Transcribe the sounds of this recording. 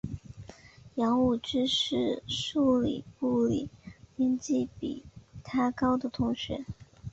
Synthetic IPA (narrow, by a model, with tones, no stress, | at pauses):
jɑ˧˥ŋu˨˩ʈ͡ʂɻ̩˥ʂɻ̩˥˩ʂu˥˩lḭ˨˩pu˥˩lḭ˨˩˦pi˥nt͡ɕi˥˩pḭ˨˩t̪ʰa˥kɑ˥ʊd̪ə˨t̪ʰʊ˧˥ŋɕɥɛ̰˧˥˦